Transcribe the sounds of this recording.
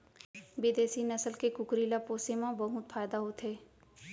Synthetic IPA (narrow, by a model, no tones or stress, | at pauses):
bɪd̪eːsinɐsəlkekʊkɾiːlapoːsemãbɐɦʊt̪faːjd̪aɦoːt̪ɦeː